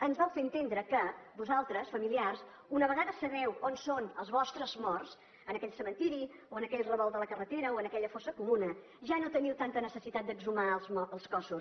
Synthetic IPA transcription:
ənzβɔlfeənt̪end̪ɾəkəbuzalˠt̪ɾəsfəmiliars | unəβəɣaðəsəβɛwonsonəlˠzβɔst̪ɾəzmɔrs | ənəkɛʎʲsəmənt̪iɾioənəkɛʎrəβɔlˠd̪ələkərət̪eɾəoənəkɛʎəfosəkumunə | ʒanot̪əniwt̪ant̪ənəsəsit̪at̪̚d̪əɡzumalˠzmɔəlˠskɔsu

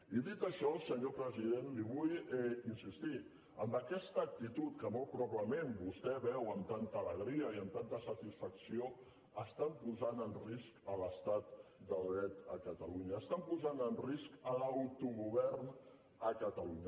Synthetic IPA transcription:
iðit̪əʃɔlˠsəɲopɾəziðenliβujinsist̪i | əmbəkɛst̪əːk̚t̪it̪ut̪kəmɔlˠt̪pɾɔpəmembust̪ɛβɛwəmt̪ant̪əːləɣɾiəiəmt̪ant̪əsət̪isfəksio | əst̪ampuzanənriskələst̪at̪̚d̪əlˠðɾɛt̪əkət̪əluɲəːst̪ampuzanənriskəlawt̪uɣuβɛrn | əkət̪əluɲə

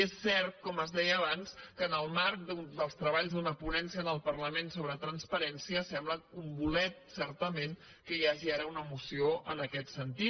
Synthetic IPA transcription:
esːɛɾt̪̚kɔməzðɛjəːβanskəːnəlˠmaɾk̚d̪und̪əlˠst̪ɾəβaʎzd̪unəpunɛnsiənəlˠpərləmensoβɾət̪ɾənspəɾɛnsiəsɛmbləkumbulɛt̪̚sɛɾt̪əmen | kəjaʒiaɾəunəmusioʔənəkɛt̪sənt̪i

